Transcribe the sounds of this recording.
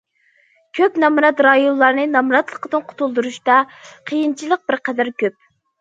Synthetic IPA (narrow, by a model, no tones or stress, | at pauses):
kʲʰøpnɑmuɾɑt̪ɾɑjonlːˠɑɾnɨnɑmuɾɑt̪lˠəqəd̪ɨnqʰʊ̥t̪ʰulˠd̪uɾuʃt̪ɑqʰəjint͡ʃʰilˠəq̚bɪɾqɛd̪æɾkʲøp̚